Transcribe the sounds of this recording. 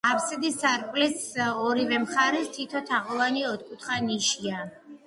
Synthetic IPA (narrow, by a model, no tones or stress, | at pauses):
apʰsɛd̪isaɾpʼlɛsɔɾivɛmχaɾɛst̪ʰit̪ʰɔt̪ʰaʁɔvaniɔt̪̚ʰkʼut̪ʰχaniʃia